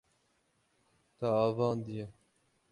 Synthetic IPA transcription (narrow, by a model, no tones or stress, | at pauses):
t̪aːvɑːnd̪ije